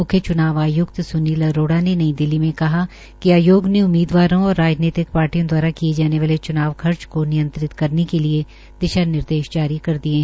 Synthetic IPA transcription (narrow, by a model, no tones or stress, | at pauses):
mʊkʰjət͡ʃʊnaːʋaːjʊkt̪sʊniːlɐɾoːɽanenɐĩd̪ɪlːimẽkɐɦa | kiaːjoːɡneʊmːiːd̪ʋaːɾõɔːɾːaːd͡ʒniːt̪ɪk̚paːɾʈijõd̪waːɾakied͡ʒaːneʋaːlet͡ʃʊnaːʋkʰɐɾt͡ʃkonɪjə̃nt̪ɾɪt̪kɐɾnekelie | d̪̥ɪʃanɪɾd̪eːʃd͡ʒaːɾikɐɾd̪iẽɦ